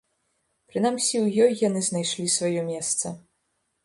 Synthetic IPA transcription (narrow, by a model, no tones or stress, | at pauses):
pɾɨn̪amsʲiwjɔjːan̪ɨznajʂlʲisvajɔmʲɛst̪sɐ